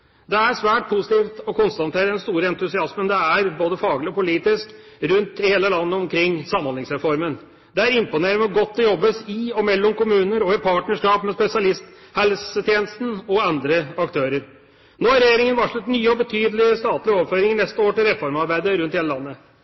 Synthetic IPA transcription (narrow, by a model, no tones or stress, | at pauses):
d̪ɛæsʋæːʈ̚pʰʊsɪ̥t̪iːft̪ɔkʊnst̪ɑnt̪ʰeːɾəd̪ɛnst̪uːɾəɛnt̪ʉsɪɑsmənd̪ɛæɾboːd̪əfɑːɡlɪɔpʊliːt̪ɪsk | ɾʉnt̪heːləlɑnːəɔmkʰɾɪŋːsɑmːhɔnɪŋsɾɛfɔɾmən | d̪ɛæɾɪmpʊneːɾəɔɡɔt̪̚ːd̪ɛjɔbːəsɪɔmɛlːɔmkʊmʉːnəɾɔɪpʰɑːʈnəʂkɑːpmɛspɛsɪɑlɪst̪ | hɛlsət̪ʰjeːnəst̪n̩ɔɑnd̪ɾəɑkt̪ʰøːɾəɾ | noːæɾɛjeːɾɪŋənʋɑʂɭʉt̪nyːəɔbət̪ʰyːd̪əlɪəst̪ɑːt̪lɪoːʋəføːɾɪŋənɛst̪əoːʈɪlɾɛfɔɾmɑɾbæɪd̪əɾʉnt̪heːləlɑnːə